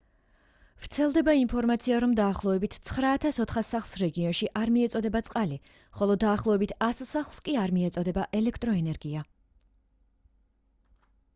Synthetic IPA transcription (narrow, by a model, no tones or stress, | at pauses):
vɾt̪sʰɛlˠd̪ɛbaimpʰɔɾmat̪sʰiaɾɔmd̪aːχlˠɔɛbit̪ʰt̪sʰχɾaːt̪ʰasɔt̪ʰχasaχlˠsɾɛɡiɔnʃiʔaɾmiɛt̪sʼɔd̪ɛbat̪sʼqʼali | χɔlˠɔd̪aːχlˠɔɛbit̪ʰassaχlˠskʼiaɾmiɛt̪sʼɔd̪ɛbaʔɛlɛkʰt̪ʼɾɔɛnɛɾɡia